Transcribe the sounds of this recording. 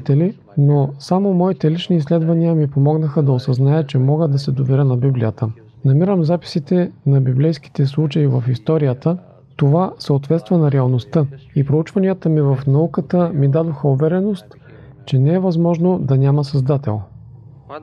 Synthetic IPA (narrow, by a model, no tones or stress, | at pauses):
t̪ɛli | nosamomɔit̪ɛlit͡ʃniːslɛd̪vɐniəmipomɔɡnəxəd̪ɐosɐznaɛt͡ʃɛmɔɡəd̪ɐsɛd̪ovɛɾənɐbiblijət̪ə | nɐmiɾəmzapi̥sit̪ɛnɐbiblɛjski̥t̪ɛslˠut͡ʃɐivəfist̪ɔɾijət̪ə | t̪ovasəot̪vɛt̪st̪vɐnɐɾɛɐlˠnost̪əipɾout͡ʃvɐnijət̪əmivɐfnɐukət̪əmid̪ad̪oxəovɛɾɛnost̪ | t͡ʃɛnɛɛvɐzmɔʒnod̪ɐnʲaməsɐzd̪at̪ɛ̰lˠ